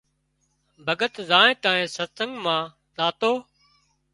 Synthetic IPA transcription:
bʱəɡət̪zaːẽːt̪ãːẽːsəɾsəŋɡmãː | zaːt̪oː

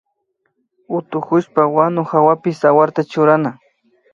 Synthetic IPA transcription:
ʊt̪ʊkʊʃpawanʊxawapɪsawaɾt̪at͡ʃʊɾana

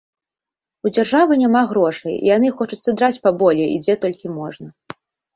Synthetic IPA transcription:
ud͡zʲarʐavɨnʲamaɣɾɔʂɐjḭjanɨxɔt͡ʂut̪sːɐd̪ɾat͡sʲpabɔlʲɛḭd͡zʲɛt̪ɔlʲkʲimɔʐnɐ

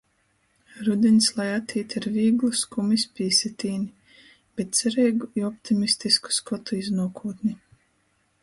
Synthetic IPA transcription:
ɾud̪ʲinslˠajat̪ʰiːt̪ʲiɾviːɡlˠuskumispʲiːsʲit̪iːnʲi | b̥ɛt̪̚sɛɾɛjɡuiɔpt̪ʰimist̪isku̥skɔt̪uiznuɔkuːt̪ni

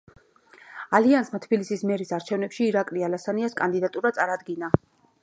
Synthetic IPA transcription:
aliansmat̪ʰbilisismɛɾisaɾt͡ʃʰɛvnɛpʃiːɾakʼlialasaniaskʼand̪id̪at̪ʼuɾat̪sʼaɾad̪ɡina

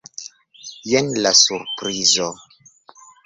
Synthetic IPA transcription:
jenlasuɾpɾizo

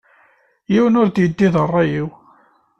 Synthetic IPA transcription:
jiwənʊɾd̪jəd̪ːiðərˤːɑjiw

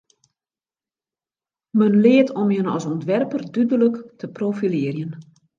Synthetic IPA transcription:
mənlɪətʰɔmjənɔ̰sɔntʋɛrpərdydələktʰəprofilɪərjən

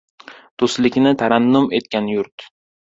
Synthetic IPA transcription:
d̪̥oslɪkʲnɪt̪ʰaɾanːʊme̞t̪kʲanjʊɾt̪

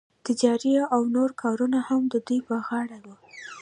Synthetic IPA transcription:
t̪ɪd͡ʒɑɾiawnoɾkʰɑɾunahamd̪əd̪ujpəɣɑɽawu

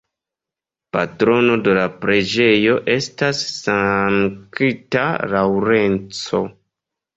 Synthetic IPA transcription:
patɾo̞no̞de̞lapɾe̞d͡ʒe̞jo̞ʔe̞stasːaŋkita̰lawɾe̞nt͡so̞

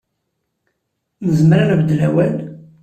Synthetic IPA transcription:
nəzmɾanbəd̪læwæl

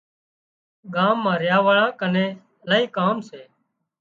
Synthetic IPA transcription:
ɠaːmːãːɾɪjaːʋəɭãːkənẽː | əlaːiːkaːmseː

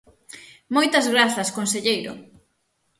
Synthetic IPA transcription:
mojt̪ɐzɣɾaθɐskonseʎejɾʊ̰

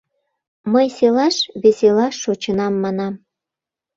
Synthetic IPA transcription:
məjselɑʃβeselɑʃːot͡ɕənɑmːɑnɑm

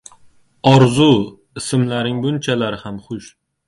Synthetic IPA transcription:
ɒɾzʊ | ɪsɪmlaɾɪŋbʊnt͡ʃʰalaɾɪhamχʊʃ

